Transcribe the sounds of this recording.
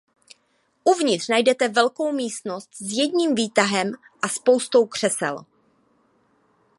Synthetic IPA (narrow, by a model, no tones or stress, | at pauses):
ʔuvɲɪt̪r̥najdɛt̪ɛvɛlko̞wmiːst̪no̞st̪zjɛdɲiːmviːt̪aɦɛm | ʔaspo̞wst̪o̞wkr̝̥ɛsɛ̰l